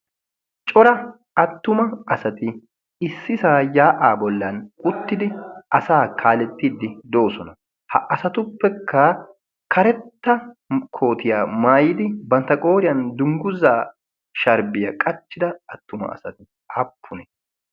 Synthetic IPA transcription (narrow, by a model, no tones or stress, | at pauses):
t͡ʃʼɔɾɐ | ɐt̪ːʊmɐɐsɐt̪ɪ | ɪsːɪsaːjaːʔaːbɔlːɐnʊt̪ːɪd̪ɪʔɐsaːkʰaːlɛt̪ːid̪ːɪd̪o̞ːsɔnɐ | hɐ̰ʔɐsɐt̪ʊpːɛkʰːɐ | kʰɐɾɛt̪ːɐ | kʰo̞ːt̪ɪjaːmaːjɪd̪ɪbɐnt̪ɐkʼo̞ːɾɪjɐnd̪ʊŋɡʊzaː | ʃɐɾbɪjɐkʼɐt͡ʃːɪd̪ɐɐt̪ːʊmɐ̰ɐ̰sɐt̪ɪ | ɐpʰːʊnɛ